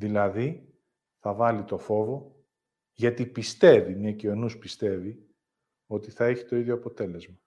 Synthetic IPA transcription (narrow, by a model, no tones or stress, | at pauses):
ðilɐði | θɐvɐlit̪o̞fo̞vo̞ | ʝɐt̪ipist̪e̞vinɐcio̞nuspist̪e̞vi | o̞t̪iθɐe̞çit̪o̞iðʝoɐpo̞t̪e̞le̞zmɐ